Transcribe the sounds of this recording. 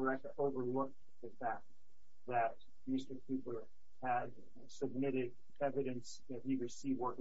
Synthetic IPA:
ɹɛkəʔoʊvə˞lʊk̚ | ðɨfæk̚t | ðɨt̚ | mɪstə˞kʰʉpə˞ | ɨd | sɨb̚mɪɾɪd | ɛvɨɾɨ̃ns | ɨt̚iɹɨsivwɜ˞k

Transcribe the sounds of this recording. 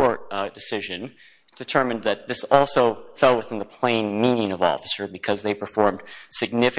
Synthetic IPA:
ɔɹt̚d̥ɨsɪʒɨ̃n | d̥ɨtʰɜ˞mɨ̃nðɨt̪̚ðɪsɔlˠsoʊfɛlˠwəθɪ̃nðəpʰl̥ẽɪ̃nmĩnɪ̃ŋʌvɔ̰fə̥sə˞bɨkʰʌzðeɪpʰə˞fɔɹmd̥sɨɡ̚nɪfɨ

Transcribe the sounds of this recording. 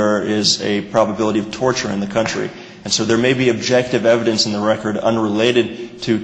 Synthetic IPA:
ə˞ɪzɨpʰɹ̥ɑbəbɪlˠəɾiʌv̥tʰɔɹt͡ʃə˞ɨ̃nðɨkʰʌ̃nt͡ʃɹ̥ḭ | ɨ̃nsoʊðə˞meɪbiɨb̚d͡ʒɛk̚tɨvɛvɨɾɨ̃nsn̩ðəɹɛkə˞ɾʌ̰̃nɹɪleɪɾɨd̚tʰɨ

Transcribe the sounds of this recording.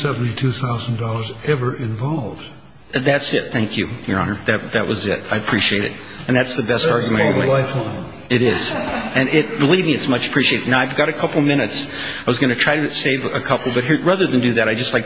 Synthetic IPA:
sɛvn̩titʰʉθaʊzn̩dɔlˠə˞zɛvə˞ʔɪ̃ɱvɑlˠvd̥ | ðætsɪt̪̚θæ̃ŋkʰjʉə̰˞ɑ̰nə˞ðɨt̚ðɨʔ̚wʔʌzɪ̰t̚aɪɨpʰɹ̥iʃieɪɾɨ̰ɾ | ɨ̃nðætsðɨbɛstɑɹɡjɨmɛ̃ɾɪ̃wẽɪaɪtʰa | ɨɾɪz̥ɨ̃nɪt̚b̥əlivmiɨtsmʌt͡ʃə̥pʰɹ̥iʃieɪɾɨdⁿnaʊaɪvɡɑɾɨkʰʌpl̩ˠmɪ̃ñɨts | aɪwʌzɡʌñɨtʰɹ̥aɪɾɨseɪvɨkʰʌpl̩ˠbʌt̚ɦiɹɹæðə˞ðɨ̃ndɨðɨɾaɪd͡ʒʌstˡlaɪk̚

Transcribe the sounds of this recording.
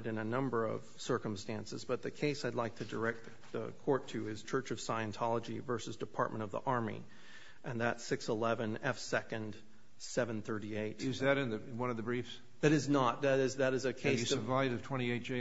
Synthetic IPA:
ɾɨ̃nɨnʌ̃mbə˞ʌ̰v̥sɜ˞kə̃m̩stæ̃nsɨ̰zbʌt̪̚ðɨkʰeɪsaɪdˡlaɪk̚tʰɨdə˞ɛk̚t̪ | ðə̰kʰɔɹtʰɨɪz̥t͡ʃʰɜ˞t͡ʃʌv̥saɪɨ̃ntʰɑlˠəd͡ʒivɜ˞sɨzdɨpʰɑ̰ɹʔ̚mʔɨ̃ɾ̃ʌvðḭʔɑɹmḭ | ʔɨ̃nðɨtsɪksəlɛvɨ̃nɛfsɛkɨ̃nd̥ | sɛvɨ̃nθɜ˞ɾieɪt̚jʉzðɨɾɨ̃nðɨwʌ̃nʌvðəbɹifs | ðɨɾɨznət̪̚ðɨɾɪzðɨɾɨzɨkʰeɪsɨsə˞vaɪvʌv̥tʰw̥ɛ̃ɾ̃ieɪt̚d͡ʒ̥e

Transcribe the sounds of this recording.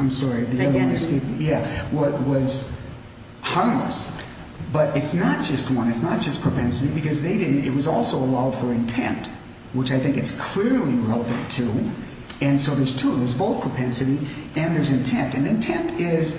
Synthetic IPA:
ãɪ̃msɑɹiðiɛəskeɪpjæwʌwʌz̥ | hɑɹmlə̰s | b̥ʌɾʔɨtsnət̚d̥ʒ̥ʌst̚wʌ̃nɨtsnət̚d̥ʒ̥ʌspʰɹ̥ɨpʰɛ̃nsɨɾibɨkʌzðeɪɾɪdⁿn̩tɨt̚wʌzɔlˠsoʊəlaʊd̥fə˞ɨ̃ntʰɛ̰̃nt | wət͡ʃaɪθɪ̃ŋkɨtskʰl̥ɪɹliɹɛlˠəvɨ̃ntʰʉ | ɨ̃nsoʊðə˞z̥tʰuðə˞zboʊθpʰɹ̥əpʰɛ̃nsɨɾiɨ̃nðə˞zɨ̃ntʰɛ̃ntɨ̃nɨ̃ntʰɛ̃ntʰɪz̥

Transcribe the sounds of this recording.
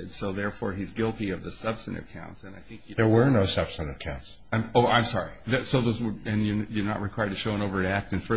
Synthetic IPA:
ɨd̥soʊðɛɹfɔ̰ɹizɡɪlˠtiʌvðɨsʌb̥stɨnɨ̰v̥kʰã̰ʊ̃ntsɨ̃naɪθɪ̃ŋkjðə˞wə˞noʊsʌb̥stɨɾɨv̥kʰãʊ̃nts | oʊʔãɪ̃msɑɹiðɨsoʊðoʊzwəɨ̃njəjə˞nə̰ʔ̚ɹɨkʰw̥aɪə˞tʰɨʃoʊə̃ɾ̃oʊvə˞ɨɾæk̚tɨ̃nfə˞

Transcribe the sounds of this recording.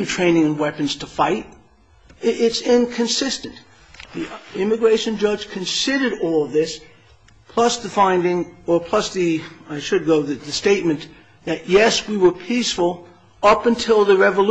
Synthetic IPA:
ntʰɹ̥ẽɪ̃nɪ̃ŋɨ̃nwɛpɨ̃n̩z̥tʰəfaɪt̚ | ɪtsɪ̃nkʰɨ̃nsɪstɨ̃n | ðiɪ̃mɨɡɹeɪʃɨ̃nd͡ʒʌ̥ʒ̥kʰɨ̃nsɪɾə˞ɾɔlˠʌvðɪs | pʰl̥ʌsðɨfãɪ̃ndɪ̃ŋə˞pʰl̥ʌsðiaɪʃɨd̚ɡoʊðɨðɨsteɪt̚mɨ̃n | ðɨʔjɛswiwə˞pʰisfəl̩ˠ | ʌpɨ̃ntʰɪlˠðɨɹɛvəl

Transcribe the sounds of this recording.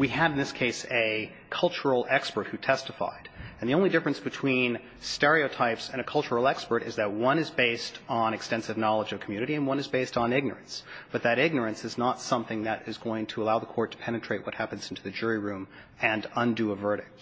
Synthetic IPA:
wiɨɾ̃n̩ðɪskʰeɪsɨ | kʰʌlˠt͡ʃə˞l̩ˠɛkspə˞t̚hʉtʰɛstəfa̰ɪɾɨ̃n̩ðiõʊ̃nlidɪfɹɨ̃nsb̥ɨtʰw̥ĩn | stɛɹioʊtʰaɪpsɨ̃ñɨkʰʌlˠt͡ʃə˞l̩ˠɛkspə˞ɾɨzðɨt̚wʌ̃nɨzbeɪstn̩ɨkstɛ̃nsɨvnɑlˠəd͡ʒʌv̥kʰmjʉnɨɾiɨ̃nwʌ̃nɨzbeɪstn̩ɪɡ̚nə̰˞ɨ̃nsb̥ʌt̪̚ðɨɾɪɡ̚nə˞ɨ̃nsɨznətsʌ̃mθɪ̃ŋðɨɾɪzɡoʊɪ̃ŋtʰəəlaʊðəkʰɔɹtʰə̥pʰɛñɨtʰɹ̥eɪʔ̚wʌt̚hæpɨ̃n̩z̥ɪ̃ntʰʉðɨd͡ʒʊɹiɹʉ̃m | ɨ̃nʌ̃ndɨəvɜ˞ɾɨk̚t̚

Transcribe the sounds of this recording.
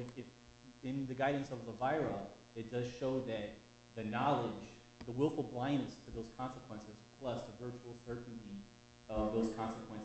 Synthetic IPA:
ɪɪf | ɪ̃nðɨɡaɪdⁿn̩sʌvðəvaɪɹl̩ˠ | ɨt̚d̥ʌz̥ʃoʊðɨt̪̚ | ðɨnɑlˠɪd͡ʒ | ðəwɪlˠfl̩ˠblãɪ̃nɨstʰɨðoʊz̥kʰɑ̃nsəkʰw̥ɛ̃nsɨz̥pʰl̥ʌsðəvɜ˞t͡ʃul̩ˠsɜ˞ʔn̩ti | ʌvðoʊz̥kʰɑ̃nsəkʰw̥ɛ̃n

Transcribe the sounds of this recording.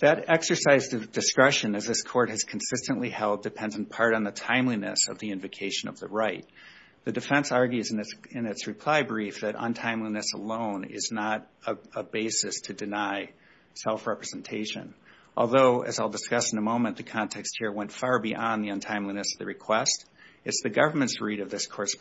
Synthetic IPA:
ðɨɾɛksə˞saɪzðɨdɨskɹɛʃɨ̃nɨzðɪskʰɔɹt̚hɨz̥kʰn̩sɪstɨ̃nʔlihɛlˠdɨpʰɛ̃ndɨn̩pʰɑɹɾn̩ðɨtʰãɪ̃mlinɨ̰sʌ̰vðiɪ̃ɱvɨkʰeɪʃɨ̃nʌ̰vðəɹaɪt̪̚ | ðɨdɨfɛ̃nsɑɹɡjʉzɨ̃nɨsɪ̃nɨtsɹɨpʰl̥aɪbɹifðɨɾʔə̰̃ntʰãɪ̃mlinɨsəlõʊ̃nɪ̰znəɾəəbeɪsɨstʰɨdɨnaɪ | sɛlˠfɹɛpɹɨzn̩tʰeɪʃɨ̰̃n | ʔɔ̰lˠðoʊʔɨ̰zaɪlˠdəskʌsn̩əmõʊ̃mɨ̃nðɨkʰɑ̃ntʰɛkst̚hiɹwɛ̃ntfɑɹbiʔɑ̃nðiɨ̃ntʰãɪ̃mlinɨsʌvðɨ̰ɹɨkʰw̥ɛstɨtsðɨɡʌvə˞mɨ̃ntsɹiɾʌvðɪskʰɔɹɨs

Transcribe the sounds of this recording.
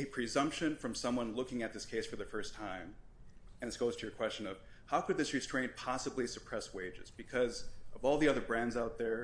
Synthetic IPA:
ɨpʰɹ̥ɨzʌ̃mpʃɨ̃nfɹʌ̃msʌ̃mwʌ̃nlʊkɪ̃ŋɨt̪̚ðɪskʰeɪsfə˞ðɨfɜ˞stʰãɪ̃m | ɨ̃nðɨsɡ̥oʊz̥tʰɨjə˞kʰw̥ɛst͡ʃɨ̃nʌv̥ | haʊkɨd̪̚ðɪsɹɨstɹ̥ẽɪ̃npʰɑsəblisɨpʰɹ̥ɛsweɪd͡ʒɨ̰zbɨkʰʌzʌvɔlˠðiʌðə˞bɹæ̃ndzaʊt̪̚ðə˞

